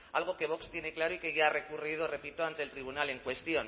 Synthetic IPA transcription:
a̰lɣ̞oke̞β̞o̞kst̪je̞neklaɾoikeʝare̞kuriðo̞re̞pit̪oant̪e̞lt̪ɾiβ̞unale̞ŋkwe̞st̪io̞n

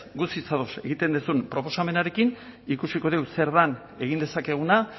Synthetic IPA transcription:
ɡusit͡saðo̞se̞̰ɣit̪e̞nd̪usunpɾo̞po̞same̞naɾe̞kinikusiko̞ð̞ewse̞ɾðan | e̞ɣ̞ind̪e̞sake̞ɣ̞una

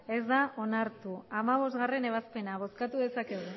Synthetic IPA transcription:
e̞zd̪aʔo̞naɾt̪uamaβ̞o̞zt̪ɣare̞ne̞β̞aspe̞naβ̞o̞skat̪uðe̞sake̞ɣu

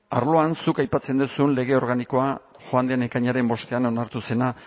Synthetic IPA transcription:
aɾlo̞ansukajpat͡se̞nd̪usunle̞ɣ̞e̞o̞ɾɣaniko̞a | xoand̪eanekaɲaɾe̞mbo̞st̪e̞ano̞naɾt̪use̞na

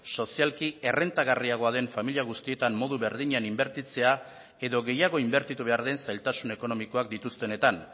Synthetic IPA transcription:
so̞sialkie̞re̞nt̪aɣariaɣ̞o̞aðe̞ɱfamiliaɣust̪ie̞t̪amːo̞ðuβe̞ɾðiɲanimbe̞ɾt̪it͡se̞a | e̞ðo̞ɣe̞jaɣ̞o̞imbe̞ɾt̪it̪uβe̞aɾðe̞nsajlt̪asune̞ko̞no̞miko̞ak̚d̪it̪ust̪e̞ne̞t̪an

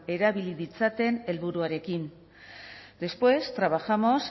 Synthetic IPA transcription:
e̞ɾaβiliðit͡sat̪e̞ne̞lβuɾuaɾe̞kin | d̪̥e̞spwe̞st̪ɾaβ̞axamo̞s

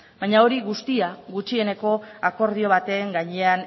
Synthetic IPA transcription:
bajɲao̞ɾiɣust̪iaɣut͡ʃie̞ne̞ko̞ako̞ɾð̞io̞β̞at̪e̞ːŋɡaɲe̞an

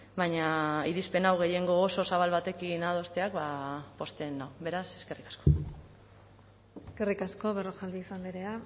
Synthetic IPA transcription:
bajɲaiɾispe̞nawɣ̞e̞je̞ŋɡo̞ːso̞saβ̞alβat̪e̞kinað̞o̞st̪eakβapo̞st̪e̞nawβe̞ɾase̞ske̞rikḁsko̞ | eske̞rikasko̞βeroxalβiːsand̪iɾea

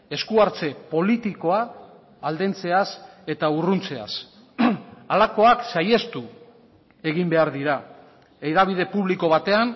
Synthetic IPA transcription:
e̞skuaɾt͡se̞po̞lit̪iko̞aː | ld̪e̞nt͡se̞ase̞t̪aurunt͡se̞a̰s | alako̞aksaje̞st̪u | e̞ɣimbe̞aɾðiɾa | eðaβ̞iðe̞puβ̞liko̞βat̪e̞an

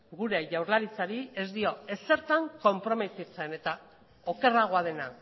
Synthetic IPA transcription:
ɡuɾe̞ʝawɾlaɾit͡saɾie̞zd̪io̞e̞se̞ɾt̪aŋko̞mpɾo̞me̞t̪it͡se̞ne̞t̪a | o̞ke̞raɣ̞o̞að̞e̞na

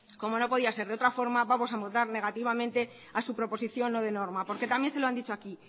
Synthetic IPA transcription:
ko̞mo̞no̞po̞ðiase̞ɾð̞eot̪ɾafo̞ɾmaβamo̞s̬amot̪aɾne̞ɣ̞at̪iβ̞amẽ̞nt̪e̞ | asupɾopo̞siθjo̞nːo̞ð̞e̞no̞ɾmapo̞ɾke̞t̪amje̞nse̞loand̪it͡ʃoaki

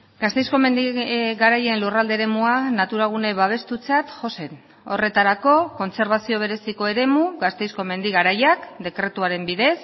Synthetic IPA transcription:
ɡast̪e̞jsko̞me̞nd̪iɣaɾaje̞nlurald̪eɾe̞muanat̪uɾaɣ̞une̞βaβ̞e̞st̪ut͡sat̪ʝo̞se̞n | o̞̰re̞t̪aɾako̞ko̞nt͡se̞ɾβasio̞βe̞ɾe̞siko̞e̞ɾe̞muɣast̪ejsko̞me̞nd̪iɣaɾajakd̪e̞kɾe̞t̪uaɾe̞mbiðe̞s

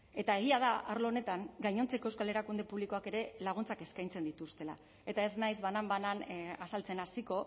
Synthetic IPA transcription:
e̞t̪ae̞ɣiaðaaɾlone̞t̪aŋɡajɲo̞nt͡se̞koewskale̞ɾakund̪e̞puβliko̞ake̞ɾe̞laɣ̞unt͡sake̞skajnt͡se̞nd̪it̪ust̪e̞la̰ | e̞t̪ae̞znajzβanambananasalt͡se̞nasiko̞

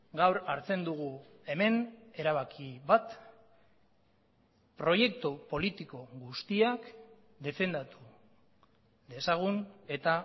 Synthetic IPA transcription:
ɡawɾaɾt͡se̞nd̪uɣ̞u | e̞me̞ne̞ɾaβ̞akʰiβat̪ | pɾo̞je̞kt̪upo̞lit̪iko̞ɣust̪iak | d̪e̞fe̞nd̪at̪u | ðe̞saɣ̞une̞t̪a

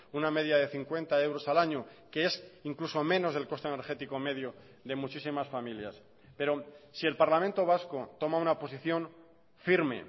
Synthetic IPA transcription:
uname̞ðjaðe̞θiŋkwe̞nt̪ae̞wɾo̞salaɲoke̞esiŋkluso̞mẽ̞no̞zðe̞lko̞st̪ene̞ɾxet̪iko̞me̞ðjo | ðe̞mut͡ʃisimasfamilja̰s | pe̞ɾo̞sie̞lpaɾlamẽnt̪o̞β̞asko̞t̪o̞maunapo̞siθjo̞ɱ | fiɾme̞̰

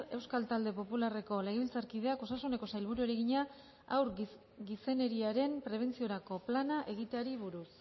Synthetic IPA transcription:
e̞wskalt̪ald̪e̞po̞pulare̞ko̞le̞ɣeilt͡saɾkið̞e̞ako̞sasune̞ko̞sajlβ̞uɾue̞ɾe̞ɣiɲa | a̰wɾ | ɡise̞ne̞ɾiaɾe̞mpɾe̞β̞e̞nt͡sio̞ɾako̞planaʔe̞ɣ̞it̪e̞aɾiβuɾus

